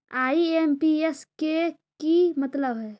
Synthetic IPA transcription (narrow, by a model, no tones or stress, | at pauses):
aiempieskekimət̪ləbɦɛ